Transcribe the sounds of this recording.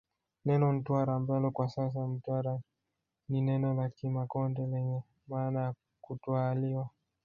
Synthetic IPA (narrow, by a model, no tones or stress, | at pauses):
nɛnɔm̩twaɾaːmbalɔkwasas̬am̩twaɾa | ninɛnɔlakimakɔndɛlɛɲɛ | maːnaja | kutwaliwa